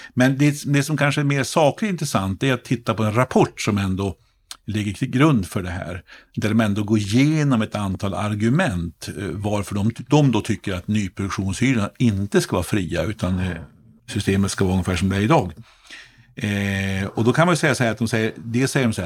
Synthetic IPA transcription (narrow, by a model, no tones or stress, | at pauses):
mɛnd̪ɛd̪ɛsɔmkʰanʂəæɾmeːɾsɑːklɪt̪ɪnt̪ɾɛsant̪̚d̪ɛːat̪ʰːɪt̪ːapɔɛnɾapʰɔʈːsɔmɛnd̪o | lɪɡːəɾʰɪlɡɾɵnd̪fœɖɛɦæ̰ːɾ | d̪æɖɔmɛnd̪oːɡoːɪjeːnɔmɛt̪ant̪ʰɑːla̰ɾɡɵmɛnt̪vaɾfœɖɔmd̪ɔmd̪ot̪ʰʏkːəɾat̪nyːpʰɾʊd̪ɵkʂuːnshyːɾənaɪnt̪əskavɑ̰ːfɾiːa̰ʉ̟ːt̪ʰan | sʏst̪eːmət̪skavɑːɾɵŋːəfæːʂɔmd̪æɾɪd̪ɑːɡ | ɔd̪ɔkʰanmanjʉsɛjːasɔhæɾat̪̚d̪ɔmsɛjːəɾd̪ɛsɛjəɾɔmsɔæ